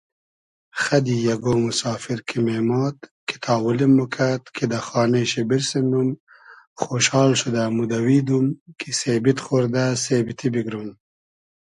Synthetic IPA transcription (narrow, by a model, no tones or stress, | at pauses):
xɐd̪ijɐɡomusɑːfiɾkʰimeːmɑːt̪ki̥t̪ʰɑːwulemːukʰat̪kʰid̪axɑːneɕebiɾsenum | xoːʃhɑːlʃud̪amud̪ɐwiːd̪umkʰiseːbit̪xoɾd̪asebit̪ʰibiɡɾun